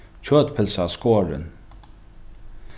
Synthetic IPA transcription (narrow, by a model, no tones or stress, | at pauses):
t͡ɕʰøːt̪pʰɪlsaskoːɹɪ̰n